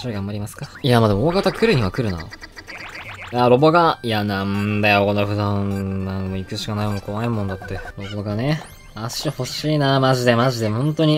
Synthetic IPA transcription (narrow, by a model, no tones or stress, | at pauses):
ɕɾaɡãmbaɾʲimasɨ̥kajamad̪emooːɡkat̪akɯ̟ɾɯ̟ɲ̟iβakɯ̟ɾɯ̟na̰ | aɾo̞bo̞ɡajanãnd̪ajokonːoɸɯ̟d̪ãnnanomoikɯ̟ɕi̥kanaimokʰo̞βaimõnd̪at̪ːe̞ɾo̞bo̞ɡane | aɕiho̞ɕiːnamaʑid̪e̞maʑid̪e̞õ̞nt̪o̞ɲ̟i